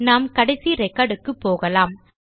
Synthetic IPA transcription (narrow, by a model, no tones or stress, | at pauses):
naːmkɐɽɛsiɾɛkːaːɽɯkːɯpːoːɣɐlaːm